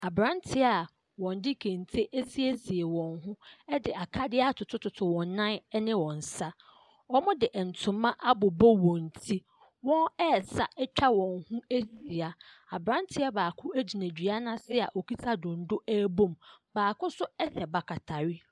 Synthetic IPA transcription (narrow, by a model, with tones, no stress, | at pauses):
a˨bɾã˦ntʰɪ˦a˨ | wɔ̃˨n˦dɪ˦kʰẽ˨n˨tʰe˦ʔe˦si˦e˦si˨e˨wɔ̃˨nɦʊ̃˦ɛ˦dɪ˨ʔa˨kʰa˦dɪ˦a˦tʰʊ˨tʰʊ˦tʰʊ˨tʰʊ˨wɔ̃˨nː˦ã˦nɪ̃˦wɔ̃˨n̩˨sa˦ | ɔ˦mʊ̃˦dɪ˨ʔɛ˨n̩˨tʰʊ̃˨mːã˦ʔa˦bʊ˨bɔ˦wɔ̃˨n˨tʰi˦ | wɔ̃˦nɛ˦˨sa˨ʔɛ˦t͡ɕᶣʰa˦wɔ̃˨nhʊ̃˦e˦si˨a˨ | a˨bɾã˦n˦tʰɪ˦a˦baː˨kʰʊ˦æ˦d͡ʑi˨næ̃˨d͡ʑᶣɥa˦nã˦sɪ˦˨a̰˨ʔɔ˨ki˦tʰa˦dʊ̃˨n̩˦dʊ˦æː˦bõ˦˨mbaː˨kʊ̃˦sʊ˦ɛ˦sɛ˨ba˨kʰa˨tʰa˨ɥi˦